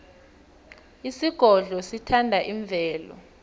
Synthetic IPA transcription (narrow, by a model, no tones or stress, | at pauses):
isiɡ̥ʱɔɮɔsitʰandʱaʔiɱvʱɛːlɔ̰